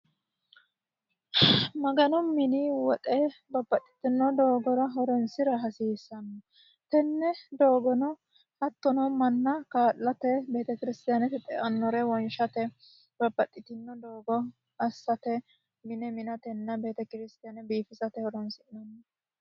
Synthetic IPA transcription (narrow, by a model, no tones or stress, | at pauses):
mɐɡɐnɔmːɪniwɔt̪ʼɛbɐbːɐt̪ʼːɪ̥t̪ɪnːɔd̪oːɡɔɾɐɦɔɾɔnsɪɾɐɦɐsiːsːɐnːɐ | t̪ɛnːɛd̪o̞ːɡɔnɔ | hɐt̪ːɔnɔmɐnːɐkaːlːɐt̪ɛbe̞ːt̪ɛkɪɾɪst̪ɪjanɛt̪ɛt̪ʼɛʔɐnːɔɾɛwɔnʃɐt̪ɛ | b̥ɐbːɐt̪ʼːɪt̪ɪnːɔd̪oːɡɔ | ɐsːɐt̪ɛ | mɪnɛmɪnɐt̪ɛnːɐbe̞ːt̪ɛkɪɾɪst̪ɪjanɛbiːfɪsɐt̪ɛhɔɾɔnsɪnɔnːɐ